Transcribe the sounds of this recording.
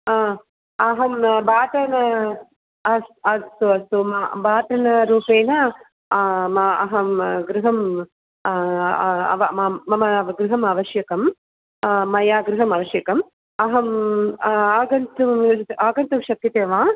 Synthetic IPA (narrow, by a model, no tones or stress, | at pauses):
aː | ɐɦɐmbaːt̪ɐnɐ | ɐɐt̪uɐst̪umabaːt̪ɐnɐɾuːpeːnɐ | maɐɦɐmɡɾuɦɐm | ɐ̰ʋɐmaːɐmɐɐɡɾɪɦɐmɐʋɐʃjɐkɐmː | ɐjaːɡɾuɦɐmɐʋɐʃjɐkɐm | ɐɦɐm | aːɡɐnt̪umaːɡɐnt̪umʃɐk̪jɐt̪eːʋãː